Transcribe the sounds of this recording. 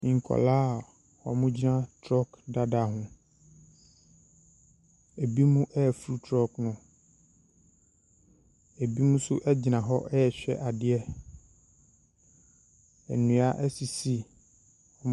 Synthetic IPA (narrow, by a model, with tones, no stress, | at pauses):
mĩ˨ŋ̩˨kʰɔ̰˨laː˦˨ | hɔ˨mʊ̃˦d͡ʑi˦nã˦tʰɾɔ˦kda˦da˨ɦʊ̃˨ | e˨bi˦mũ˦ʔɛ˦˨fɾu˦tʰɾɔ˦knʊ̃˨ | e˨bi˦mũ˦sʊ˦ʔɛ˦d͡ʑi˨nã˨ɦɔ˦ʔɛ˦ɛ˨ɕᶣɛ̰˦ʔa˨dɪ˦ɛ˦ | ɛ̰˨nũ˨a˦ʔɛ˦si˨si˦ | ɔ˨m˦